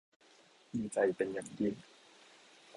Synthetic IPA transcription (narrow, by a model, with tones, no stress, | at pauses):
jiː˧t͡sa˧jpe˧nja˨˩ŋji˧˩n